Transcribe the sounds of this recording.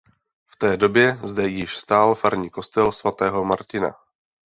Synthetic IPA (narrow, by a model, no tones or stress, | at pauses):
ft̪ɛːdo̞bjɛzdɛjɪʃst̪aːlfaɾɲiːko̞st̪ɛlsvat̪ɛːɦo̞maɾcɪna̰